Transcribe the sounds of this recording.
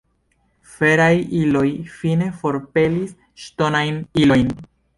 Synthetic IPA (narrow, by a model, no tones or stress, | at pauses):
fe̞ɾajilo̞jfine̞fo̞ɾpe̞lis | ʃto̞najnilojn